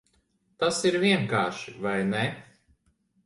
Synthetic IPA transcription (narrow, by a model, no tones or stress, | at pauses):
t̪asiɾviɛŋkaːʃivajnɛ